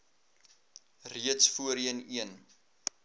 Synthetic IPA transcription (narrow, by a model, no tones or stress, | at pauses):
riətsfuəɾiəniən